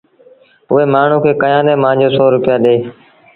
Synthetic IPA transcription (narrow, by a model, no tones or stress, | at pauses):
ʊeːmaːɳ̤ũːkʰeːkəjãːɗ̪ẽːmãːd͡ʒoːsoːɾʊpɪjaːɗeː